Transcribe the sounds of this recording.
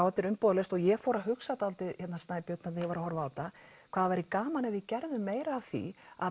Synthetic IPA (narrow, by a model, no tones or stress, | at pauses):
awt̪ɪɾʏmpɔːðlɛst̪ɔɣjɛfɔːwɾaɦʏksat̪alt̪ɪðçɛt̪nasajpjʏt̪nat̪ːjɛvaɾahɔɾvaːwt̪a | kʰv̥aːðavajɾɪkaːmanɛvɪcɛɾðʏmeːjɾaːvθḭa̰